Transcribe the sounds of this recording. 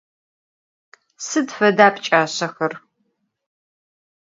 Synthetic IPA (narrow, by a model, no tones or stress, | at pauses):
sɨdfɐdaːpʰʼt͡ʃʼaːɕɐxɐr